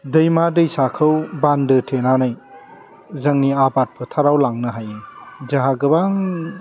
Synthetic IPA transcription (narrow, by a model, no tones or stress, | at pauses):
dɯjmadɯjsakʰɯwbandɯtʰenanaj | zɐŋniabat̚pʰɯtʰaɾawlaŋnɯɦajzaɦaɡɯbaŋ